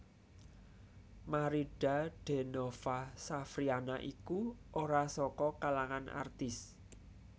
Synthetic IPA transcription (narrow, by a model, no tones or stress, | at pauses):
maɾiɖ̥a̤ɖ̥e̤nofasafɾianaʔikuʔoɾasɔkɔkalaŋana̰rt̪ɪs